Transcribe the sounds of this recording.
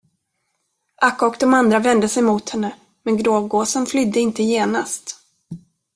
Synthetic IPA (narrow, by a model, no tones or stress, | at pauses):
ʔakːɔkd̪ɔmand̪ɾavɛnd̪əsɛjmuːt̪hɛnːə | mɛnɡɾoːvɡoːsənflʏd̪ːəɪnt̪əjeːnast̪